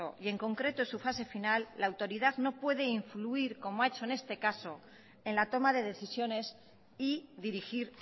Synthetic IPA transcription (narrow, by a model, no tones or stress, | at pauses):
o̞̰ie̞ŋko̞ŋkɾe̞t̪oesufase̞finalːaːwt̪o̞ɾiðaðno̞pwe̞ð̞e̞iɱfluiɾko̞moae̞t͡ʃo̞ene̞st̪e̞kaso̞ | e̞nlat̪o̞maðe̞ðe̞θisjo̞ne̞s | iðiɾixiɾ